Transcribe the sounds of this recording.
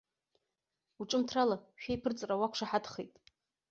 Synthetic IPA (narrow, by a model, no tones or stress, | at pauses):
uʈ͡ʂʼɨmtʰralaʃᶣejpʰɨrt͡sʼrawakʷʂaħadχejtʼ